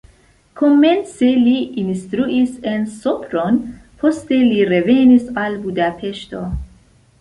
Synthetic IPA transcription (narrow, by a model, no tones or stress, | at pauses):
kʰomenseliinst̪ɾuʔisensopɾonpʰost̪e̞liɾevenisalbudapʰeʃt̪o̰